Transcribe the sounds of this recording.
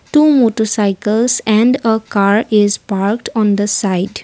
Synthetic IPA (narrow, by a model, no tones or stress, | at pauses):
ʈuːmoʈəɾsaɪkəlsɛ̃ɳɖəkaɾɪzpaɾkʈɔ̃nd̪əsaɪɖ